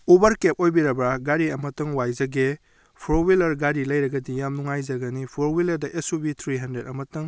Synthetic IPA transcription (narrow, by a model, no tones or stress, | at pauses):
ubɐɾkep̚ojbiɾɐbɾaɡaɾiɐmɐtɐŋwajzɐɡe | pʰɾowilɐɾɡaɾilɐjɾɐɡɐdijamnuŋajzɐɡɐnipʰɾowilɐɾdɐʔesubit̪ʰɾiɦɐndɾetɐmɐtɐŋ